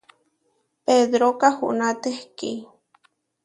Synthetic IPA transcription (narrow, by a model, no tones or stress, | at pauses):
ped̪ɾokahṵʔnat̪ehki